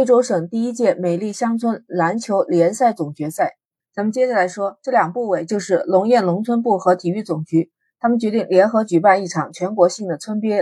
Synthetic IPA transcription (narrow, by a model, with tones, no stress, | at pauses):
e˥ɪʈ͡ʂo˥ʊʂɤ˨˩ŋt̪i˥˩i˥t͡ɕjɛ˥˩me˨˩ɪli˥˩ɕjɑ˥ŋt͡sʰwə˥nla˧˥nt͡ɕʰjo˧˥ʊljɛ˧˥nsa˥˩ɪt͡sʊ˨˩ŋt͡ɕɥɛ˧˥sa˥˩ɪ | t͡sʰa˧˥mə˨nt͡ɕjɛ˥ɕa˥˩la˧˥ɪʂwɔ˥ʈ͡ʂɤ˥˩ljɑ˨˩ŋpu˥˩we˨˩ɪt͡ɕjo˥˧ʊʂɻ̩˥˩lʊ˧˥ŋjɛ˥˩nlʊ˧˥ŋt͡sʰwə˥npu˥˩xɤ˧˥t̪ʰi˨˩y˥˩t͡sʊ˨˩ŋt͡ɕy˧˥ | t̪ʰa˥mə˨nt͡ɕɥɛ˧˥t̪i˥˩ŋljɛ˧˥nxɤ˧˥t͡ɕy˨˩pa˥˧ni˥˩ʈ͡ʂʰɑ˨˩ŋt͡ɕʰɥɛ˧˥nkwɔ˧˥ɕi˥˩ŋd̪ə˩t͡sʰwə˥npjɛ˥